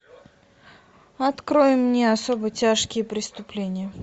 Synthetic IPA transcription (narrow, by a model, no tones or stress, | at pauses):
ɐt̪kɾojɪmːnʲeɐsobətʲaʂkʲɪjəpɾʲɪst̪ʊplʲenʲɪjə